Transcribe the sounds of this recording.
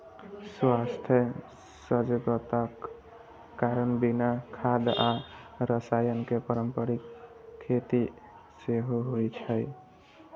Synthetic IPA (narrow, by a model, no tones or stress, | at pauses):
swast̪ʰjə | səd͡ʒɡət̪akː | aɾənbinakʰad̪a | ɾəsajənkepəɾəmpəɾikʰːet̪i | seɦoɦojt͡ʃʰəj